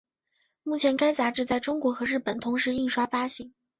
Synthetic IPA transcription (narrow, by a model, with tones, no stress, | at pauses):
mu˥˩t͡ɕʰjɛ˧˥nka˥ɪt͡sa˧˥ʈ͡ʂɻ̩˥˧t͡sa˥˩ɪʈ͡ʂʊ˥ŋkwɔ˧˥xɤ˧˥ɻ̩˥˩pə˨˩nt̪ʰʊ˧˥ŋʂɻ̩˧˥i˥˩ŋʂwa˥fa˥ɕi˧˥ŋ